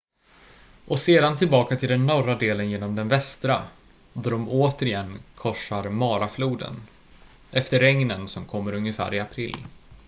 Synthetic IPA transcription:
ʔɔseːd̪ant̪ʰɪlbɑːkat̪ʰɪld̪ɛnːɔɾad̪eːlənjeːnɔmd̪ɛnvɛst̪ɾa | d̪ɔɖɔmoːt̪əɾɪɛnːkʰɔʂːaɾmɑːɾafluːd̪ə̰n | ʔɛft̪əɾɛŋnənsɔmkʰɔmːəɾɵŋjəfæ̰ːɾɪapʰɾɪlː

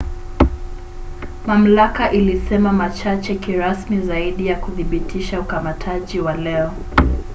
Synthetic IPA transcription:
mam̩lakaʔilisɛmamat͡ʃat͡ʃɛkiɾasmizaiɗijakuðiɓitʰiʃaukamatʰaʄiwalɛɔ

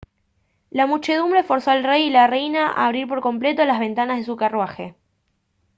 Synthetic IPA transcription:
lamut͡ʃe̞ð̞umbɾe̞fo̞ɾsoalrejilarejnaʔa̰ːβ̞ɾiɾp̬o̞ɾko̞mple̞t̪olazβ̞e̞nt̪anazðes̬ukarwaxe

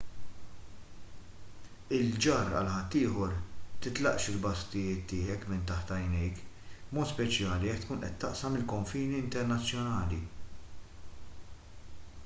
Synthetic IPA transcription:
ɪld͡ʒɐːɾɐ̰lħɐt̪ːɪːħɔɾt̪ɪt̪lɐ̰ʔʃɪlbɐst̪ɪjɪːt̪ːɪːħɛkmɪnt̪ɐħt̪ɐjnɛjk | bmɔːt̪spɛt͡ʃjɐːliɛkt̪kuːnʔɛt̪ːɐʔsɐmɪlkɔɱfiːniɪnt̪ɛɾnɐt͡sːjɔnɐːli

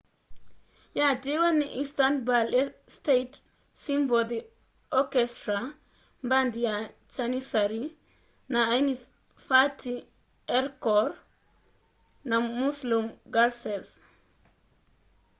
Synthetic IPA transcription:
jad͡ʒiwaniʔist̪antbalɛstet | simbɔd̪i | ɔkɛst̪ɾa | mband̪ija | t͡ʃanisaɾi | naːjni | fatːi | ɛɾkɔɾ | namuslumɡaɾsɛs

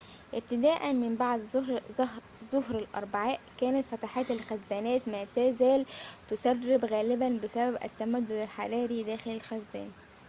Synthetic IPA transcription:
ʔɪb̚t̪ɪd̪æːʔænmɪmbaʕd̪ | zʊɦɾalʔɑ̰ɾˤbaʕaːʔkæːnæt̪fæt̪aħaːt̪ɪlxæzːæːnæːt̪mæːt̪æːzæːlt̪ʊsærˤːɪbɣæːlɪbænbɪsæbæbʔæ̰t̪ːæmæd̪ːʊd̪ælħaɾˤɑːɾid̪æːxɪlælxæzːæ̰ːn

